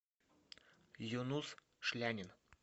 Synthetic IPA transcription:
junus | ʃlʲænʲɪn

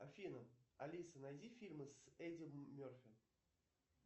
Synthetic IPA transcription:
ɐfʲinəɐlʲisənɐjzʲifʲilʲmɨsedʲɪmʲorfʲɪ

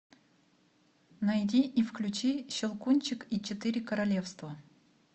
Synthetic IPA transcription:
nɐjdʲiʔːfklʲʉt͡ɕiɕɪlˠkunʲt͡ɕɪkit͡ɕɪt̪ɨɾʲɪkəɾɐlʲe̞fst̪və

